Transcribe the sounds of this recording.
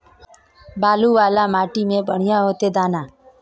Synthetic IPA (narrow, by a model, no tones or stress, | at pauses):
baːluːʋaːlaːmaːʈimẽbəɳ̤ɪjaːɦoːt̪eːd̪aːnaː